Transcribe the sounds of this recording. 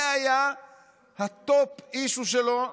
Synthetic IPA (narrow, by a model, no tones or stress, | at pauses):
aja | hat̪opiʃuʃelo